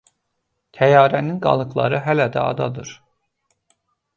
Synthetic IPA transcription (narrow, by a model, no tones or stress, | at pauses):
t̪ʰæjɑːɾæninɡɑ̰lˠɯɡlˠɑ̰ɾɯɦælæd̪æ̰ɑ̰d̪ɑd̪ɯɾ